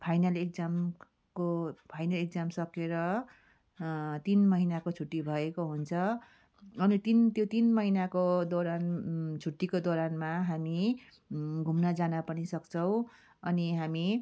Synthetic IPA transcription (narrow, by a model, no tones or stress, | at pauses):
pʰajnalek̚d͡zam | kopʰajnalek̚d͡zamsʌkeɾʌ | t̪inmʌɦinakot͡sʰuʈːibʱʌekoɦunt͡sʰʌ | ʌnit̪int̪jot̪inmʌɦinakod̪oɾant͡sʰuʈːikod̪oɾanmaɦami | ɡʱumnʌd͡zanapʌnisʌkt͡sʰʌw̃ | ʌniɦami